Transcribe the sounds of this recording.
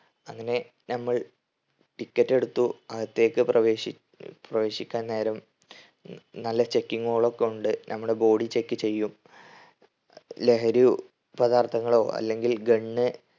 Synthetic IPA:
ɐŋːɐne̞ | nɐmːɐɭ | ʈikːɐtːe̞ɽut̪ːuɐɣɐt̪ːeːkːɨprʔɐʋeɕi | prɐʋe̞ːɕikʲːaːnne̞ːɾɐm | nɐlːɐt͡ɕe̞kːiŋːoːɭo̞kːeuɳɖɨnɐmːuɽe̞bo̞ːɽit͡ɕe̞kːɨt͡ɕe̞jːum | le̞ɦɐɾu | pɐd̪aːrt̪ʰɐŋːɐɭo̞ːʔɐ̰lːe̞ŋɡilɡeɳːɨ

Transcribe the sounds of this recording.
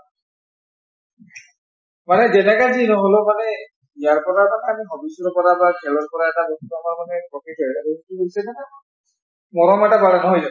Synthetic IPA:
manɛzɛnɛkazinɔɦolomanɛ | ijaɹpɔɹamanɛamiɦɔbisɔɹpɔɹabaɡʱɛlɔɹpɔɹaɛtabɔstɔmamanɛkɔtitʰɔotiɦoisɛnɛna | mɔɹɔmɛtabalɔnɔɦɔjza

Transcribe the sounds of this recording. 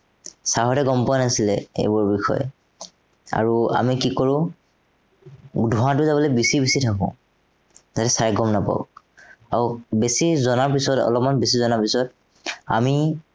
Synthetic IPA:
saɦɔtɛɡɔmpɔanasilɛ̰ḛjbɔɹbixɔ̰jɛ̰ | a̰ɹua̰mikikoɹʊ̃ | dʱuɦãtʊzabɔlɔjbisibisitʰakɔ̰̃ | zatɛsaɹɡɔmnapa̰ʊ | aubesizɔnaɹpisɔtɔ̰lɔp̚manbesizɔnapisɔt | a̰mi

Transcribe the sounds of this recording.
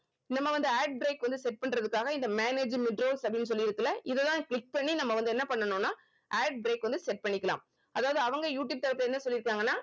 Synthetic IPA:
nɐmːɐʋɐnd̪ɯaːɖ̚bɾeːkʋɐnd̪ɯsɛʈ̚pɐɳɾɐðɯkːaːɣɐɪnd̪ɐmaːneːd͡ʒmɪɖɾoːlsɐpɽɪnːɯsɔlːɪɪɾɯk̪ːɯlːɐʔɪðɛt̪ãːklɪk̚pɐɳːinɐmːɐʋɐnd̪ɯɛnːɐpɐɳːɐnõːnːaː | ʔaːɖ̚bɪɾeːkʋɐnd̪ɯsɛʈ̚pɐɳːɪkːɐla̰ːm | ɐðaːʋɐðɯɐʋɐŋɡɐjuːʈ̬juːb̚t̪ɐɾɐp̪ːɯlɛnːɐsɔlːɪɾɯkːaːŋɡɐnːaː

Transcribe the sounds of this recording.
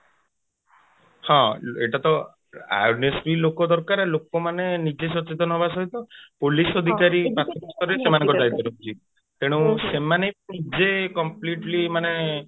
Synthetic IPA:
hɔ̃eʈat̪ɔ | a̰jnesɾilokɔd̪ɔɾkaɾelokɔmanenid͡ʒesɔt͡ʃet̪̬ɔnɔbasɔɦit̪ɔpolisɔd̪ʱikaɾibakʰːɔkɔst̪ɔɾesemanẽkɔd̪ajd̪ɔɾekut͡ʃʰi | t̪eɽ̃ũsemanejnid͡ʒekɔmpliʈlimane

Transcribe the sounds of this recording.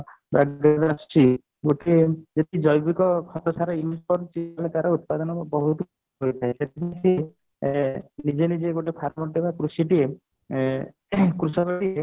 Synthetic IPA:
baɡɡd̪ast͡ʃʰi | ɡoʈʰed͡ʒet̪id͡ʒɔjbikɔkʰɔt̪ɔsaɾɔimuskɔɾt͡ʃialet̪aɾɔut̪̚pad̪ɔnɔbɔɦut̪u | ɦojt̪ʰaeset̪ʰinise | nid͡ʒenid͡ʒeɡoʈepʰaɾmɔʈebakɾusiʈie | kɾusabaʈie

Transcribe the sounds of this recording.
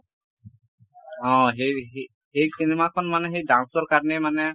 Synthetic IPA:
ɔ̃ɦejɦ | hejsinemakʰɔnmanɛɦejdãnsɔɹkaɹnemanɛ

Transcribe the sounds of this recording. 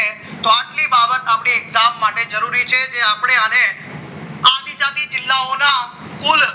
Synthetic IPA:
t̪oaʈlibabət̪apɳ̃iɛkzamːaʈed͡ʒəɾuɾit͡ʃʰed͡ʒeapɽ̃eəne | ad̪id͡ʒad̪id͡ʒɪlːaona | kul

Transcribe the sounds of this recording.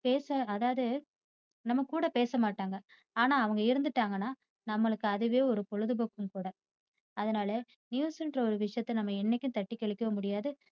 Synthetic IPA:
peːsɐɐðaːʋɐðɯ | nɐmːɐkuːɽɐpeːsɐmaːʈːaːŋɡɐ | aːnaːɐʋɐŋɡɐɪɾɯnd̪ɯʈːaːŋɡɐnːaː | nɐmːɐɭɯkːɯɐðɯʋeːɔɾɯpɔɻɯðɯbɐkːɯmkuːɽɐ | ɐðɐnaːlɐ | njuːsɛnɖrɐɔɾɯʋɪʂɐjɐt̪ːɐnɐmːɐɛnːɛkʲːʊ̃t̪ɐʈːikːɛɭɪkːɐʋɐmʊɽɪjaːðɯ

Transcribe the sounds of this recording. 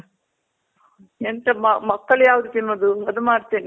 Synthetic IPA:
ent̪ɐmɐmɐkːɐɭjaːʋud̪ut̪inːoːd̪uɐd̪umaːɽt̪eːni

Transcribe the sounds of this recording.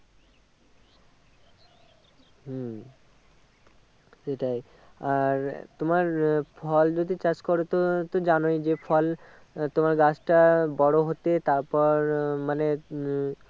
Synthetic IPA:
ɦ | ʃeʈaj | aɾt̪omaɾfʰɔld͡ʑod̪it͡ɕad͡ʑkoɾot̪ot̪od͡ʑanojd͡ʑefʰɔl | t̪omaɾɡat͡ɕʈabɔɽoɦot̪et̪aɾpɔɾmane

